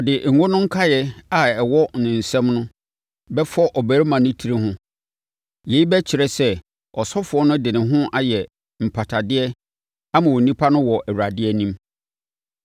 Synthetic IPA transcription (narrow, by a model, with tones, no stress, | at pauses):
ɔ˨dɪ˨ŋ̩˨ŋʊ̃˦nʊ̃˦ŋ̩˦kʰa˦jɛ˨a˨ɛ˨wɔ˦nɪ̃˨n̩˨sɛ̃˦mnʊ̃˦ | bɛ˦fɔ˦ʔɔ˨bæ˨ɾmã˨nʊ̃˦tʰi˦ɾi˦hʊ̃˦ | je˨i˦bɛ˦t͡ɕʰɪ˨ɾɛ˨sɛ˦ | ɔ˨sɔ˦fʊ˨ɔ˦nʊ̃˦dɪ˨nɪ̃˨ɦʊ̃˦ʔa˨jɛ˨ | m̩˨pʰa˨tʰa˨dɪ˦ɛ˦ | a˦mã˨wo˨nĩ˦pʰa˦nʊ̃˦wɔ˨ʔɛ˨wɾa˨dɪ˦ɛ˦nĩ˦m